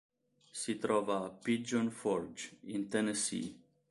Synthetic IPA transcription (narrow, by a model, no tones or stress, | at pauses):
sit̪ɾovapit̚d͡ʒɔnfɔɾd͡ʒint̪ɛnesḭ